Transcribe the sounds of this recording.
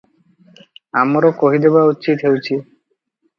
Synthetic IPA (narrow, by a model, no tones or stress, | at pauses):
amɔɾokoɦid̪ebaut͡ɕit̪ɦewt͡ɕʰi